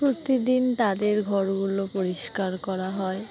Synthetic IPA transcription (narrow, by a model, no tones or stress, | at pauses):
pɾot̪id̪int̪ad̪eɾɡʱɔɾɡulopoɾiʃkaɾkɔɾaɦɔe